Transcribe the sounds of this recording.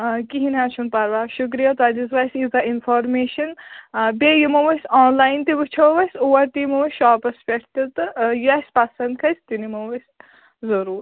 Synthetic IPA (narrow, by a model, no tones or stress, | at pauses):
kiɦinat͡ʃʰunpɐɾʋaːʃuk̬ɾijɐt̪ad̪izʋajsʲizainfʰɔːɾmeːʃɐnbʲejimɐʋɐsʲɔːnlajint̪ibɨt͡ʃʰoʋɐsʲuwɐɾt̪ijmɐwɐsʃaːpɐspʲeʈʰt̪it̪ɨjɐsʲpɐsɐnd̪̚kʰɐjsʲt̪inimɐwɐsʲ | zɐɾuːɾ